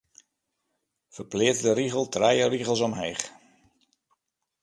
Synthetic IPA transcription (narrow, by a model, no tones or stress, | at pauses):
fərplɪətdəɾiɣəlˠtrɛjəriɣəlˠsɔmɦɛːχ